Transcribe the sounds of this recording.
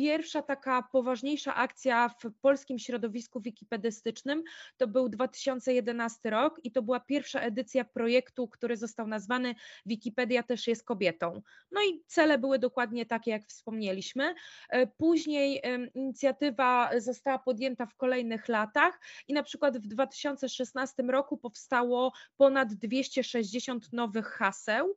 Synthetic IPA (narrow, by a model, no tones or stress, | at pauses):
pʲjɛɾfʂat̪akapɔvaʐɲejʂa̰ʔakt̪sʲjafpɔlskʲimɕɾɔd̪ɔvʲiskuvʲikʲipɛd̪ɘst̪ɘt͡ʂnɘmt̪ɔbɘwd̪vat̪ɘ̥ɕɔnt̪sɛjɛd̪ɛnast̪ɘɾɔkit̪ɔbɘwapʲjɛɾfʂaʔɛd̪ɘt̪sʲjapɾɔjɛkt̪ukt̪uɾɘzɔst̪awnazvanɘvʲikʲipɛd̪ʲjat̪ɛʂjɛst̪̚kɔbʲjɛt̪ɔ̃w̃ | nɔit̪sɛlɛbɘwɘd̪ɔkwad̪ɲɛt̪akʲɛjakfspɔmɲelʲiɕmɘpuʑɲejiɲit̪sʲjat̪ɘvazɔst̪awapɔd̪jɛnt̪afkɔlɛjnɘxlat̪axinapʂɘkwad̪vd̪vat̪ɘ̥ɕɔnt̪sɛʂɛsnast̪ɘmɾɔkupɔfst̪awɔpɔnad̪ːvʲjeɕt͡ɕɛʂɛʑd͡ʑeɕɔnt̪nɔvɘxːasɛw